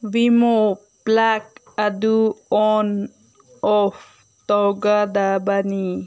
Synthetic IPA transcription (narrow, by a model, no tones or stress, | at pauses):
ʋimo | plak | ad̪uɔn | ɔf | t̪ɔwɡad̪abani